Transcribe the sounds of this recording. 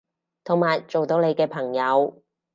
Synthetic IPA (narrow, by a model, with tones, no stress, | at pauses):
t̪ʰo˨˩ŋmaː˨˩jt͡ʃo˨wt̪o˨˧wle˨˧jkɛː˧pʰɐ˨˩ŋjɐ˨˧w